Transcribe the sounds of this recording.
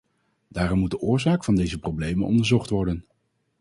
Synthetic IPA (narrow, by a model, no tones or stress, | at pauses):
daːrɔmːud̚əʔʊːɹzaːkfɑndejzəprowblejmənɔ̰ndəɹzɔχtʋɔɹdən